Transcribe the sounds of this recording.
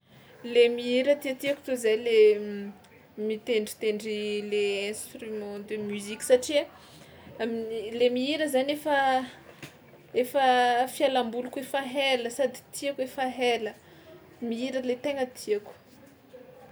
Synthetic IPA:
lemiiɾət̪iat̪iaku̥t̪uzajle | mit̪eɳɖ͡ʐi̥t̪eɳɖ͡ʐileɛ̃st̪rymɑ̃d̪emyzikʲi̥saʈ͡ʂi | mlemiiɾəzanefə | efəfialambulukefaɦeləsad̪i̥t̪ʰiakuefaɦelə | miiɾəlet̪eŋət̪ʰiaku̥

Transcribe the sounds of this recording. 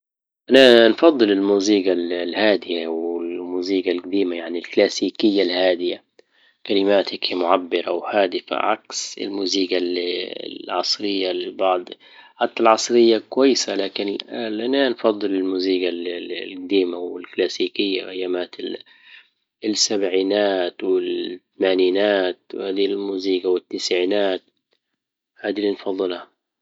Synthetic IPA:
ʔananfɑd̪ˤːɨlɪlmuːziːɡallhaːd̪ɪjawɪlmuːziːɡalɡad̪iːmajaʕnilklaːsiːkɪjːalhaːd̪ɪja | kalɪmaːt̪akmʊʕabːɪɾawhaːd̪ɪfa̰ʕaksɪ̰lmuːziːɡal̰ | ʕɑsˤɾɪjːalbɑʕd̪ˤ | ħat̪ːalʕɑsˤɾɪjːakwajːɪsalaːkɪnlʔananfɑd̪ˤːɨlɪlmuːziːɡalkd̪iːmawɪ̰lklaːsiːkɪjːaʔajːamaːt̪ɪ | sabʕiːnaːt̪wɪlt̪amaːniːnaːt̪̚whaːd̪ilmuːziːɡawɪt̪ːɪsʕiːnaːt̪̚ | haːd̪ilinfɑðˤːɨlha

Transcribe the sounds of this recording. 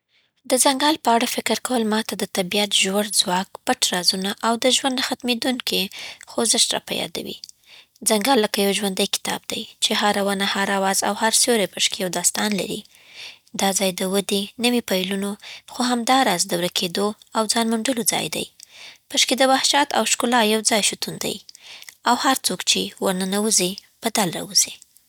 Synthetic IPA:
d̪əzaŋɡɑlpəaɽafɪkɾkawəlmɑt̪ad̪ət̪abijat̪ʒwaɽzwɑkpaʈɾɑzunaʔawd̪əʒwand̪axat̪med̪uŋkixozɪʃɾɑ̰pa̰jɑ̰d̪a̰wḭ | d͡zaŋɡɑlːəkajawʒwand̪əjkɪ̥t̪ɑ̰b̚d̪ajt͡ʃeɦaɾawanahaɾawɑza̰whaɾsjoɾapəʃkijawd̪ɑst̪ɑnla̰ɾḭ | d̪ɑd͡zɑjd̪əwəd̪enəwipajlunoxoɦamd̪ɑɾɑzd̪əwɾakʰed̪oawd͡zɑnmʊɳɖəlod͡zɑ̰jd̪a̰jpəʃkid̪əwahʃɑt̪a̰wʃkʊlɑjawd͡zɑjʃut̪und̪a̰jawhaɾt͡sokt͡ʃewaɾnanawəzipəd̪alɾa̰wuz̥i

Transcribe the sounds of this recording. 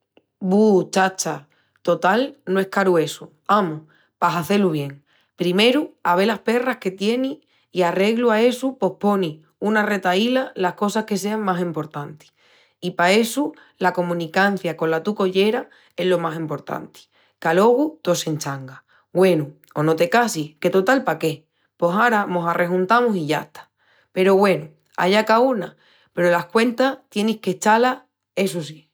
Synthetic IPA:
but͡ʃat͡ʃa | t̪o̞t̪alnoe̞hkaɾue̞su | amu | pasaθeluβ̞je̞ŋ | pɾime̞ɾuaβ̞e̞lahpe̞rahke̞t̪je̞niː | are̞ɣluae̞supo̞hpo̞ni | unare̞t̪ailalahko̞sahke̞s̬e̞aŋmasimpo̞ɾt̪ant̪i̥ | ipae̞su | lako̞mũnikan̟θjako̞nlat̪uko̞ʎe̞ɾa | e̞ɦlo̞masimpo̞ɾt̪a̰nt̪i̥ | kalo̞ɣut̪o̞se̞nt͡ʃaŋɡa | ɡwe̞nu | ono̞t̪e̞kasike̞t̪ot̪alpake̞ | po̞saɾamo̞sare̞ɦunt̪amosiʝa̰ht̪ḁ | pe̞ɾo̞ɣwe̞nu | a̰ʎakauna | pe̞ɾolahkwe̞nt̪aht̪je̞nihke̞t͡ʃala | e̞sus̬i

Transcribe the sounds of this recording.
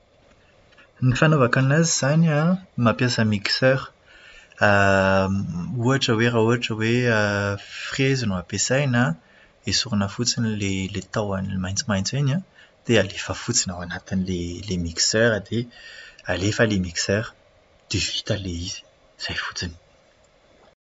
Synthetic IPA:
nifanovakanaziz̥anamapjasəmiksœʁ | a | uɦaʈ͡ʂəwerauɦaʈ͡ʂəweəfχezinuapesajna | esuɾinəfut͡sinilelet̪awanilemajnt͡smajnt͡sinãd̪̥ealefəfut͡sinawanat̪inilelemiksøɾad̪ealefəlemiksɛʁ | d̪̥evi̥t̪aleizi̥ | z̥ajfu̥t͡sini̥

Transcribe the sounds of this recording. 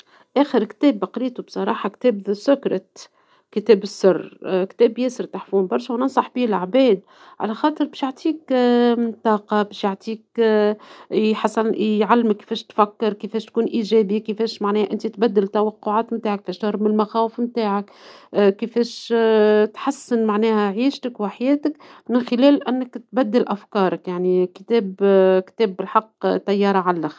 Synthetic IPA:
ʔæːxəɾkt̪ɛːbːɑqɾiːt̪ubsˤɑɾˤɑːħɑkt̪ɛːbsʊkɾˤɑ | kət̪ɛːbɪsːɑrːkt̪ɛːbjɛːsəɾt̪aħfuːmbɑɾˤʃawnɑnsˤɑħbiːlaʕbɛːd̪̚ | ʕa̰læxɑːt̪ˤəɾbɛːʃjoʕt̪ˤʰiːk | t̪ɑːqɑbɛːʃjaʕt̪ʰˤiːk | ħasˤːɑnjʕalːmɪkːfɛːʃt̪fækːɪɾˤkɪfɛːʃt̪̚kuːnʔiːʒɛːbikɪfɛːʃmaʕnɛːhʔɪnt̪it̪bæd̪ːɪlt̪æwɑqːʊʕaːt̪mt̪aːʕakːfɛːʃt̪ɑhɾbmɪlmaxæːwəfmt̪aːʕakkːɪfɛːʃ | t̪ħasːɪnmaʕnɛːhæʕiːʃt̪əkwħajɛːt̪ɪkmɪnxɪlɛːlʔænːɪkt̪bæd̪ːɪlʔæfkɑːɾˤɑkjaʕnikɪ̥t̪ɛːbkt̪ɛːbːɪlħɑqːt̪ːæjːɑːɾˤɑʕalːax

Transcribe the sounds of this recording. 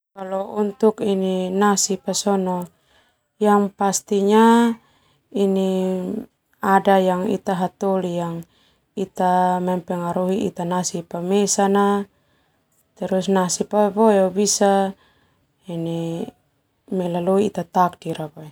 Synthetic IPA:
kalɔunt̪ukininasipasɔnɔ | jaŋpast̪iɲa | ini | adajaŋḭt̪aɦat̪olijaŋ | it̪amɛmpɛŋaɾuɦiʔḭt̪anasipamesana | t̪ɛɾusnasipabɔɛobisa | ini | mɛlaloiːt̪at̪ak̚diɾapa

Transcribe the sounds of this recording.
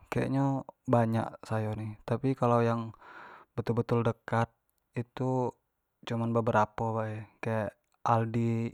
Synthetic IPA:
kaja̰ʔɲobaɲa̰ʔsajonit̪apikalawjaŋbət̪ʊlbət̪ʊldəkat̪̚ | it̪u | t͡ʃumanbəbəɾapabaɛkajaʔ | ʔaldi

